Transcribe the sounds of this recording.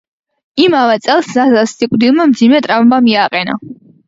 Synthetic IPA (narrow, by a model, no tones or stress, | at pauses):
imavɛt̪sʼɛlˠszazasːikʼd̪ilˠmamd̪zimɛt̪ʼɾavmbamiaqʼɛna̰